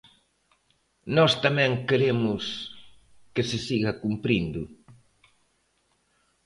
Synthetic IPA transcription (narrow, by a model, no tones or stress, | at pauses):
nɔst̪amɛ̃ŋkeɾemʊs | kesɪsiɣɐkumpɾind̪ʊ